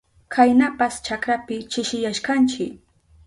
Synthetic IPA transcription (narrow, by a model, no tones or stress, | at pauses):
kʰajnapast͡ʃakɾapɪt͡ʃɪʃɪjaʃkant͡ʃɪk